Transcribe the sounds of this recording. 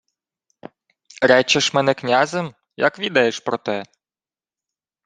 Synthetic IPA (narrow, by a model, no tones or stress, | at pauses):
ɾɛt͡ʃɛʃmɛnɛknʲazem | jɐ̰kʋʲid̪ɐjeʃpɾɔt̪ɛ